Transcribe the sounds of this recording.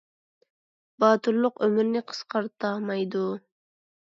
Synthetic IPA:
b̥ɑːt̪ʰɨɾlːˠʊqømɪɾnɪqʰə̥sqɑɾt̪ʰɑmɑjd̪u

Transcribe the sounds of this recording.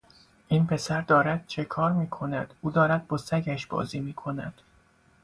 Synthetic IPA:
ʔiːnpʰe̞sæɾd̪ɒːɾæd̪̥̚t͡ʃʰe̞kʰɒːɾmiːkʰo̞næd̪̥ʔuːd̪ɒːɾæd̪̚bɒːsæɟæʃbɒ̰ːziːmiːkʰo̞næ̰d̪̥

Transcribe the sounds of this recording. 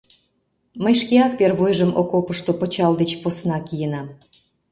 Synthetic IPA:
məjʃkeɑk̚perβojʒəmʔokopəʃt̪opət͡ɕɑld̪et͡ɕposnɑkijənɑm

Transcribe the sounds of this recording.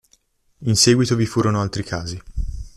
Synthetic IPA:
insɛːɡwit̪ovifuːɾonoalt̪ɾikʰaːzi

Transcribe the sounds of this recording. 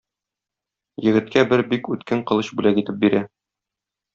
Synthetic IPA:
jɘ̆ɡɘ̆t̪kæbɘɾbikʉt̪kæɴqɤ̆lˠɤɕbʉlækit̪ɘp̚biɾæ

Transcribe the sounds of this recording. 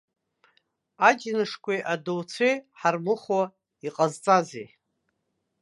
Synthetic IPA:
ad͡ʒnɨʂkʷejʔadowt͡sʷʰejħarmɨχwa | iqʼazt͡sʼazḛ

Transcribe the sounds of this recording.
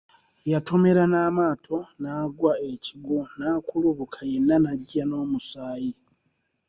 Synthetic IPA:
jatʰo̞me̞ɾanaːmaːtʰo̞naːɡwae̞ciɡunaːkuluβukʰaje̞nːanaɟːano̞ːmusaːji

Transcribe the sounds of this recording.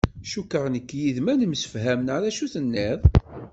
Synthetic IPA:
ʃukːəʁnəkːjiðmænəmsə̥fɦæmnaðæʃuθənːɪðˤ

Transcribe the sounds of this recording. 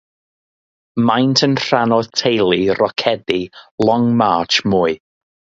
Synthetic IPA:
majntʰənr̥anɔðtʰejlˠirɔkʰɛdilˠɔŋmaːt͡ʃmuːɨ

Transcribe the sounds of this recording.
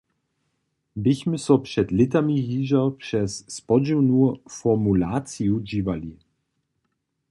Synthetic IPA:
bɪçmɪsɔpʂɛtlɪtamiɦiːʒɐpʂɛsːpɔd͡ʒiwnufɔmulaːt͡siud͡ʑiːvali

